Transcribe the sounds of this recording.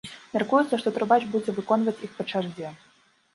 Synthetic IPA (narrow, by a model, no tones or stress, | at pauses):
mʲarkujut̪sːɐʂt̪ɔt̪ɾɔbat͡ʂbud͡zʲɛvɨkɔnvɐt͡sʲixpɐt͡ʂaʐd͡zʲɛ